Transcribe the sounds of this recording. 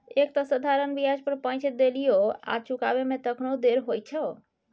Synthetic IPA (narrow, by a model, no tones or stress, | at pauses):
ekt̪ɔsəd̪ʱaɾənbiɦad͡ʒpəɾpə̃nt͡ʃʰed̪elijoa̰t͡ʃuka̰bemet̪əkʰnod̪eɾɦojt͡ʃʰə